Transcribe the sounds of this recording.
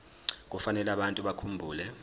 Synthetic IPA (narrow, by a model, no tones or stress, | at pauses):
k̬ʼufanɛlaɓantʼuɓakʰumbʱuːlɛ